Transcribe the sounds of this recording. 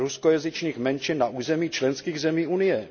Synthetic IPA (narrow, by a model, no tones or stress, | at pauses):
ɾuskojazɪt͡ʃɲiːxmɛnt͡ʃɪnːaʔuːzɛmiːt͡ʃlɛnskiːɣzɛmiːʔunɪjɛ